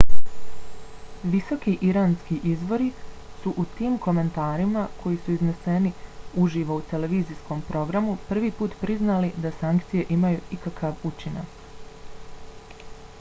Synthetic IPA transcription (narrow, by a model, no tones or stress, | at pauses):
ʋiso̞kiʔiɾaːnskiʔizʋo̞ɾi | suʔut̪iːmko̞me̞nt̪aːɾimakʰo̞jisuizne̞se̞niuʒiːʋo̞ut̪e̞le̞ʋiːzisko̞mpɾʔo̞ɡɾamupr̩ʋiːpuːt̪pɾiznalid̪asaŋkt̪sije̞ʔimajuikakʰaʋut͡ʃina̰k